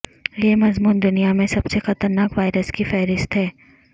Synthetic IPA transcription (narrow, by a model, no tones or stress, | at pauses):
jemɐzmuːnd̪ʊnijamẽsɐbsexɐt̪əɾnaːkʋaːɪɾəskifɛːɾɪst̪ɦɛː